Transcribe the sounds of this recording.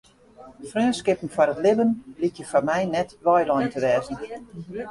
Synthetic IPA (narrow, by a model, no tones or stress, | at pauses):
frøːnskɪpn̩fɔɾətlɪbənlikjəfɔmɛjnɛtʋɔjlɔjntʰəʋɛːzən